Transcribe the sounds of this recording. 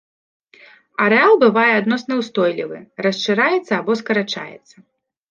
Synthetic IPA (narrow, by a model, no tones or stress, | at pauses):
ɐɾɛalˠbɨvajɛad̪nɔsnɐwst̪ɔjlʲḭvɨ̰rɐst͡ʂɨɾajɛt̪sɐːbɔskɐɾat͡ʂa̰jɛ̰t̪sːɐ